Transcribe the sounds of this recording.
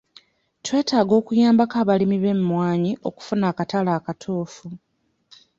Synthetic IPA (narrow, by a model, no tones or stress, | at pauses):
twe̞ːtaːɡo̞ːkujaːmbakaːβalimiβe̞mmwaːɲiʔo̞ku̥funaːkatalaːkatʰoːfu